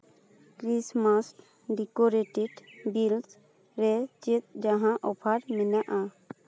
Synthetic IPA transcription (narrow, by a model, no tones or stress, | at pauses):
kɾismasʈ | ɖikoɾeʈeɖbils | ɾɛt͡ʃet̪̚d͡ʒaɦãʔɔpʰaɾminaʔa